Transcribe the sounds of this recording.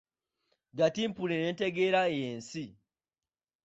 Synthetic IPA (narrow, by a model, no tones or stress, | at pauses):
ɡatimpulenente̞ɡeɾaejensi